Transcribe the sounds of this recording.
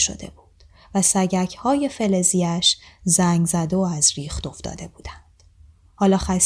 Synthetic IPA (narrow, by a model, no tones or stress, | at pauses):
ʃo̰d̪̥e̞̰buːd̪̥ | væsæɟæcʰhɒːje̞fe̞le̞ziæʃzæŋɡzæd̪oæzɾiːxt̪o̞fd̪ɒ̰ːd̪e̞buːd̪̥ænd̪̥ | hɒːlɒːxæs